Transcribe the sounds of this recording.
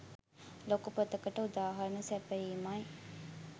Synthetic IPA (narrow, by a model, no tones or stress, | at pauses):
lokupət̪əkəʈəud̪aːɦɐɾənəsɛpəiːmaj